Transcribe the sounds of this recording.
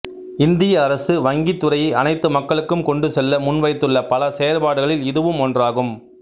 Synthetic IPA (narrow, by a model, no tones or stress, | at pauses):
ɪnd̪ɪjɐːɾɐsɯʋɐŋɡit̪ːɯɾɐjɐ̰nɐɪt̪ːɯmɐkːɐɭɯkːɯmkɔɳɖɯsɛlːɐmʊnʋɐɪt̪ːɯɭːɐpɐlɐsɛjɐɾpaːɽɯɣɐɭɪlɪðɯʋɯmɔndraːɣɯm